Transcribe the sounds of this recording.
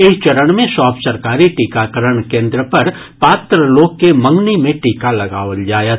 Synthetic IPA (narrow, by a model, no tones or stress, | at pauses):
ɪt͡ʃɐɾəɳ̃mẽsaːpsəɾkaːɾiʈiːkakəɾəɳkẽːnd̪ɾəpɐɾ | paːt̪ɾəloːkːemɐ̃ŋɡnimẽʈiːkalɐɡaːʋəld͡ʒaːjət̪